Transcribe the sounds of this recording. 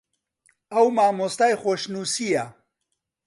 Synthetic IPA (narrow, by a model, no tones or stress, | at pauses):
ɐwmaːmost̪aːjxoʃnuːsija